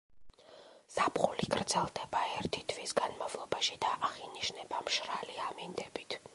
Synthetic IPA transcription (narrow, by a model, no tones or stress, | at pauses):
sapχuliɡɾd̪zɛlˠd̪ɛbaɛɾt̪ʰit̪ʰvisɡanmavlˠɔbaʃid̪aʔːχiniʃnɛbamʃɾaliamind̪ɛbit̪ʰ